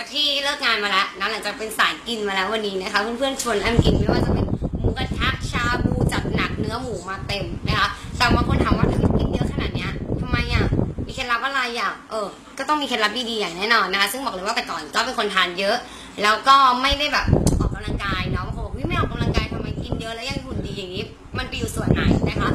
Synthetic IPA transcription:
a˨˩t̪ʰiː˥˩lɤː˥˩k̚ŋaː˧nmaː˧lɛ˦˥ʔna˦˥nla˨˩˦ŋt͡ɕaː˨˩k̚pe˧nsaː˨˩˦jki˧nmaː˧lɛː˦˥wa˧nːiː˦˥na˦˥kʰa˦˥pʰɯː˥˩˨npʰɯ˥˩ənt͡ɕʰo˧ənʔa˧n˧ki˧nma˥˩waː˥˩t͡ɕa˨˩pe˧nmuː˨˧˥a˧t̪ʰa˦˥k̚t͡ɕʰaː˧buː˧t͡ɕa˨˩t̪̚na˨˩k̚nɯ˦˥ɐmuː˨˩˦maː˧t̪e˧mna˦˥kʰa˦˥ʔt̪aː˨˩waː˥˩kʰo˧nt̪ʰaː˧nwa˦˥t̪ʰa˧wi˧˥t̪̚ki˧˩t̪̚jɤ˦˥kʰa˧naː˨˩t̪̚ni˦˥ɐt̪ʰa˧ma˧jʔa˨˩miː˧kʰe˧nla˦˥p̚ʔa˧˩ɾa˧jʔa˨˩ʔɤː˨˧˩ | kɔː˥˩t̪ɔ˥˩ŋmiː˧kʰe˧la˦˥p̚diː˧diː˧jaː˨˩ŋnɛː˦˥nɔː˧nːa˦˥kʰa˦˥sɯ˥˩ŋbɔː˨˩k̚lːɤ˧jwaː˥˩pa˧jkɔː˨˩nkɔː˥˩pe˧nkʰo˧nt̪ʰaː˧˩njɤ˦˥ʔ | lɛː˦˥wkɔː˥˩ma˥˩jda˥˩jbɛː˨˩p̚ʔɔː˨˩ka˧mla˧ŋkaː˧jlɛː˦˥wa˧˩ka˧˦bɔː˨˩ʔu˦˥ma˥˩jʔɔː˨˩ka˧mla˧ŋkaː˧jt̪ʰa˧ma˧jki˨˩njɤ˦˥ʔlɛː˦˥ja˧˨ŋt̪ʰu˨˩ndiː˧jaː˨˩ŋːiː˦˥ | ma˧npa˧juː˨˩su˨˩ənʔa̰ː˨˩jnɛː˧˩kʰa˦˥ʔ

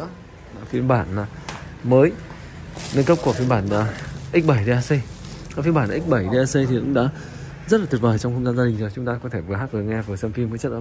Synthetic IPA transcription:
la˨˩fi˧ənɓaː˧˩na˨˩məː˨˦j | nə˧nkə˦˥p̚ku˧˩fi˧ənɓaː˧˩na˨˩ʔi˦˥k̟̚ɓa˧˩jɗe˧ʔaː˧sə˧j | aː˨˩fi˧ənɓaː˧˩nʔaː˨˦˥k̚ɓa˧˩jɗe˧ʔaː˧sə˧jt̪ʰi˨˩kʊ̰˧˥ŋ͡mɗa̰ː˧˥ | zə˦˥t̚laː˨˩˨t̚ɓəː˨˩jt͡ɕɔ˧wŋ͡mhə˧ŋ͡mzaː˧nza˧ï˨˩ŋzɔː˨˩t͡ɕʊ˨˦ŋ͡mt̪aː˧kɔ˨˦t̪ʰe˧˩vɨ˨˩əɦaː˦˥k̚və˨˩ŋɛ˧vəː˨˩sɛ˧mfi˧mː˨˦t͡ɕə˦˥ʔəː˧˨˦

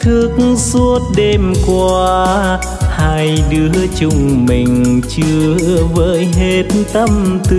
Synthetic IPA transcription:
t̪ʰɨ˧˩ək̚ŋsu˧˥ət̚ɗe˧mkwaː˧˨˧ | haː˧jɗɨ˨˧˦ət͡ɕʊ˧˩ŋ͡mmï˨˩ŋ̟t͡ɕɨ˧əvə̰ː˧˥jɦe˧˩tnt̪ə˧mt̪

